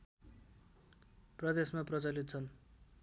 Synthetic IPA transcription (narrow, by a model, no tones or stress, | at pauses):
prʌd̪esmaprʌt͡sʌlit̪̚t͡sʰʌn